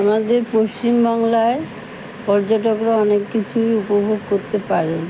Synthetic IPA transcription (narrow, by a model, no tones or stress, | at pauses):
amad̪eɾpost͡ɕimbaŋlae | pɔɾd͡ʑaʈokɾaɔnekːit͡ɕʰujupobʱoɡkoɾt̪epaɾen